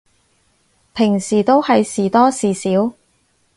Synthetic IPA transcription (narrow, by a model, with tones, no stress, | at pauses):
pʰɪ˨˩ŋsiː˨˩t̪o˥whɐ˨jsiː˨˩t̪ɔː˥siː˨˩siː˨˥w